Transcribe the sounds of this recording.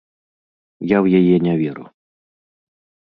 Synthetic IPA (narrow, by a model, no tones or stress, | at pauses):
jawjajɛnʲavʲɛɾṵ